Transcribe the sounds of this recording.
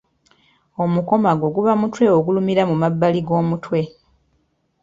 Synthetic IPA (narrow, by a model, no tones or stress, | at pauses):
o̞muko̞maɡo̞ɡuβamutwe̞oɡulumiɾamumabːaliɡo̞ːmutwe̞